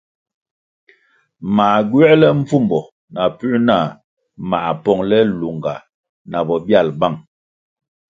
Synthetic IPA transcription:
ma˨ɡɥɛ˦lɛ˦ɱ̩˦fu˦˨mbɔ˨ | na˨pʉ˦na˦˨ | ma˨ʔpɔ˦˨ŋlɛ˦lu˨ŋɡa˨ | na˨bɔ˨bja˦˨lba˦˨ŋ

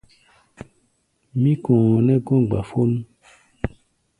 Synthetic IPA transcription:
mĩ˦kɔ̃˨nɛ̃˦ɡɔ̃˦˨ɡ͡ba̰˨fo˦nũ˦

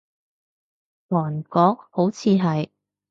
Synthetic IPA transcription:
wɔː˨˩nkɔː˨˥k̚ho˨˥wt͡sʰiː˨˧ɦɐ˨j

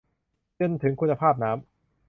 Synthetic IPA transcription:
t͡ɕo˧nt̪ʰɯ˩˦ŋkʰu˧nːa˧pʰaː˥˩p̚naː˦˥m

